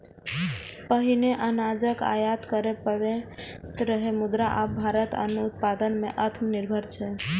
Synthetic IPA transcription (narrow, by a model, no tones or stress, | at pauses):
pəɦineʔənad͡ʒəka̰jad̪kəɾepəɾet̪ɾəɦemud̪ɾaʔabʱaɾət̪ə̰nut̪pad̪ənmeʔət̪ʰmniɾbʱəɾt͡ʃʰɛ